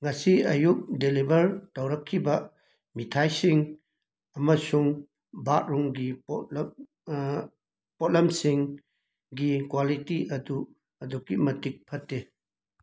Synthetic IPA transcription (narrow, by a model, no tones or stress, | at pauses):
ŋɐsiɐjuk̚delibɐɾtɐwɾɐkʰːibɐ | mitʰajsiŋ | ɐmɐsuŋ | bat̚ɾuŋɡip | pɔt̚lɐmsiŋ | ɡikwalitiʔɐdu | ɐdukimɐtik̚pʰɐtːe